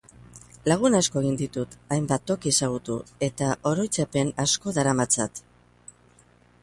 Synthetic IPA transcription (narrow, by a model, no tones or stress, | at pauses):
laɣ̞unasko̞e̞ɣ̞ind̪it̪ut̪ajmbat̪ːo̞kiesaɣ̞ut̪ue̞t̪aʔo̞ɾo̞jt͡sape̞nasko̞ðaɾamat͡sat̪